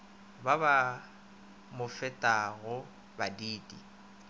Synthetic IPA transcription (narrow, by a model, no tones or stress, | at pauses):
baba | mʊfɛtʼaɣʊ | badiːdʼi